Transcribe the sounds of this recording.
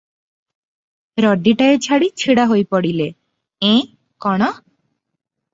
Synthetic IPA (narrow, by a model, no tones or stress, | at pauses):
ɾɔɖiʈaet͡ʃʰaɽit͡ʃʰiɽaɦojpɔɽile | ẽ | kɔɽ̃ɔ